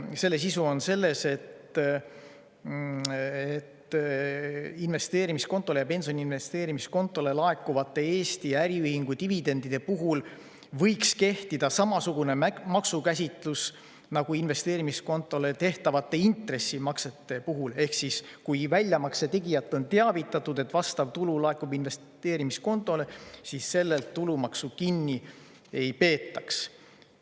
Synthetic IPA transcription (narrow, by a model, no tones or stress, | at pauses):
se̞lːe̞s̬isuo̞nse̞lːe̞se̞t̪ | et̪ː | inve̞st̪e̞ːɾimisko̞nt̪ːˑo̞lejɑpe̞nso̞niinve̞st̪e̞ːɾimisko̞nt̪ːˑo̞le̞lɑe̞kːˑuvɑt̪ːˑe̞eːst̪iæɾiyhiŋɡ̥ut̪ivid̪e̞nd̪id̪̥e̞puɦul | vɤ̞jkske̞ht̪id̪̥ɑsɑmɑsuɡ̥une̞mɑksukæsʲit̪ˑlus | nɑɡ̥uinve̞st̪e̞ːɾimisko̞nt̪ːˑo̞let̪e̞ht̪ɑvɑt̪ːˑe̞int̪re̞sːimɑkse̞t̪ːˑe̞puɦule̞hksiskujvælʲjɑmɑkse̞t̪e̞ɡijɑt̪ˑːo̞nt̪eɑvit̪ːˑɑt̪ːˑud̪e̞t̪ːvɑst̪ɑv̥t̪ululɑe̞kːˑubinve̞s | t̪e̞ːɾimisko̞nt̪ːˑo̞lesisːe̞lːelt̪ːulumɑksukinːi | e̞jpe̞ːt̪ːˑɑks